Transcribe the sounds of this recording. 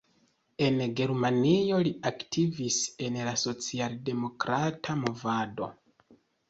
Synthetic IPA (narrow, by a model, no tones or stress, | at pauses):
e̞nɡe̞ɾmanio̞liaktʰivise̞nlaso̞t͡sialde̞mo̞kɾatʰamo̞vado̞̰